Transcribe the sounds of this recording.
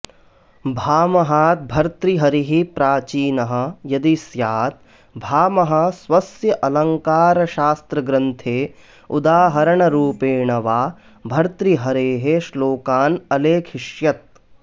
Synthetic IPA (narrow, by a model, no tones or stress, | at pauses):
bʱaːmɐɦaːt̪̚bʱɐɾt̪ɾiɦɐɾiɦipɾaːt͡ʃiːnɐɦɐ̆jɐd̪isjaːt̪̚ | bʱaːmɐɦɐ̆sʋɐsjɐʔɐlɐŋkaːɾɐʃaːst̪ɾɐɡɾɐnt̪ʰeː | ud̪aːɦɐɾɐɳɐɾuːpeːɳɐʋaː | bʱɐɾt̪ɾiɦɐɾeːɦeʃloːkaːnɐleːkʰiʃjɐt̪̚